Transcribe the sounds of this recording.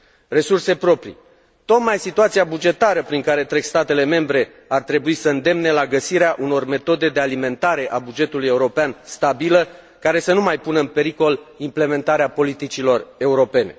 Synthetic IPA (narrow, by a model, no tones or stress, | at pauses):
re̞surse̞pɾo̞pɾḭ | t̪o̞t̪majsit̪uat̪siabud͡ʒe̞t̪aɾəpɾiŋkaɾe̞t̪ɾeɡst̪at̪e̞le̞me̞mbɾe̞ | art̪ɾe̞buisəɨnd̪e̞mne̞laɡəsiɾeaʔuno̞rme̞t̪o̞d̪e̞d̪ealime̞nt̪aɾe̞ʔabud͡ʒe̞t̪uluje̞uɾo̞peanst̪abilə | kaɾe̞sənumajpunəɨnpe̞ɾiko̞limple̞mẽ̞nt̪aɾeapo̞lit̪it͡ʃilo̞re̞uɾo̞pe̞ne̞̰